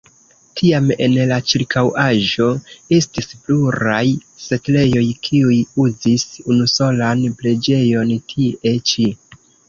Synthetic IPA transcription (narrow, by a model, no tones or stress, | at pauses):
tʰiame̞̰nlat͡ʃiɾkʰawaʒo̞estispluɾajse̞tle̞jo̞jkʰiujuzisunuso̞lanple̞d͡ʒe̞jo̞ntʰie̞t͡ʃi